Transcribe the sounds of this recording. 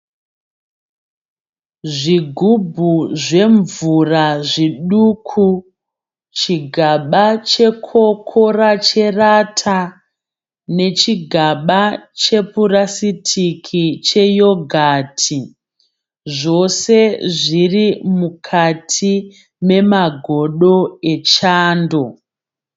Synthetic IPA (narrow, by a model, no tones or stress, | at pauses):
ʐiɡʱubʱuʐe̞ɱvuraʐiɗukʰu | t͡ʃiɡʱaɓat͡ʃe̞kʰo̞kʰorat͡ʃe̞ratʰa | ne̞t͡ʃiɡʱaɓat͡ʃe̞purasitʰikʰit͡ʃe̞jo̞ɡʱaːtʰi | ʐo̞se̞ʐirimukʰatʰi | me̞maɡʱo̞ɗo̞et͡ʃaːndo̞